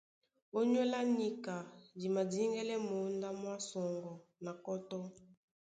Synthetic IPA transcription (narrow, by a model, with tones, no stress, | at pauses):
o˦ɲ˦ɔ˦la˦ni˦ka˨di˨ma˨di˦ŋɡɛ˦lɛ˦mo˨˦nda˦mwa˦sɔ˨ŋɡɔ˨na˨kɔ˦tɔ˦